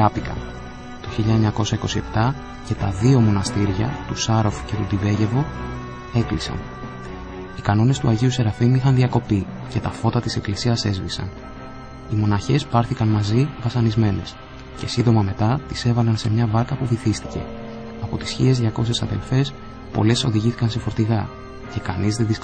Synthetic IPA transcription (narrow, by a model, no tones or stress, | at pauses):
ɐpikɐ̰n | t̪o̞çiʎɐeɲɐko̞sɐiko̞sie̞p̚t̪ɐ | ce̞t̪ɐðio̞mo̞nɐst̪iɾʝɐ̰t̪usɐɾo̞fce̞t̪ud̪ive̞ʝe̞vo̞ | e̞klisɐ̰n | ikɐno̞ne̞st̪uɐʝiuse̞ɾɐfimixɐnðiɐko̞pi | ce̞t̪ɐfo̞t̪ɐt̪ise̞klisiɐse̞zvisɐ̰n | imo̞nɐçe̞spɐɾθikɐnmɐzivɐsɐnizme̞ne̞s | ce̞sind̪o̞mɐme̞t̪ɐt̪ise̞vɐlɐnse̞mɲɐvɐɾkɐpuviθist̪i̥ce̞ | ɐpo̞t̪i̥sçie̞zðʝɐko̞sesɐðe̞lfe̞s | po̞̰le̞so̞ðiʝiθi̥kɐnsefo̞ɾt̪iɣɐ | ce̞kɐnizðeðis